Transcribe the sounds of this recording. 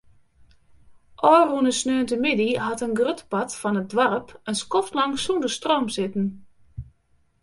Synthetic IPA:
ʔɔːrunəsnøːntəmɪdiɦatənɡrøtpatfɔnət̚dʋarəpənskɔftlɑŋsundəstroːmsɪtən̩

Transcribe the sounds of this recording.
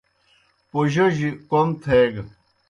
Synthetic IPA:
poʑoʑikomt̪ʰeːɡ

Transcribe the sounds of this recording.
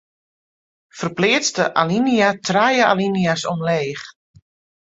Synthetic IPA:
fərplɪːt͡stəʔaliniatʰrajəa̰liniasomleːx

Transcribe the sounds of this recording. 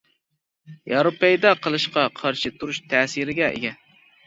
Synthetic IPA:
jɑɾopɛjd̪ɑqʰəlˠɨʃqɑqʰɑɾʃit̪ʰuɾuʃt̪ʰɛːsɨɾɪɡʲɛʔḛɡʲɛ

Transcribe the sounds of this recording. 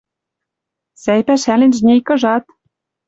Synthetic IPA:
sæjpæʃælĕnʲʒnʲejkɤ̆ʒɑt̪

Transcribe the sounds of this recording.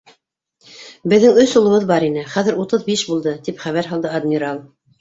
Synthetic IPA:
bɘ̆ðːɘŋɵsulˠɤ̆βɤðbɑɾinɘχæðɘ̆ɾut̪ɤðbiʃbulˠd̪ɤt̪ipχæβæɾɦɑlˠd̪ɤad̪mʲiɾalˠ

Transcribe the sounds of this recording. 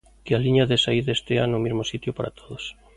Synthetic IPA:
kealiɲaðesaiðest̪eanʊːmizmosit̪jʊpaɾʔa̰t̪ʰoðos

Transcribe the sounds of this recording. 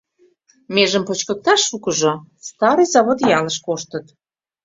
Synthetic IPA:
meʒəmpot͡ɕkə̆k̚t̪ɑʃːukəʒost̪ɑɾɨjzɑβot̪jɑləʃkoʃt̪ət̪

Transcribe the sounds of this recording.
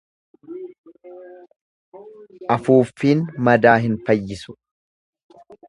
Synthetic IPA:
ʔɐfuːfːiːnmɐd̪aːɦɪnfɐjːɪsʊ̥

